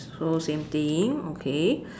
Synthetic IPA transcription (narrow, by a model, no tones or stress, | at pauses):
sosẽmt̪iŋokʰe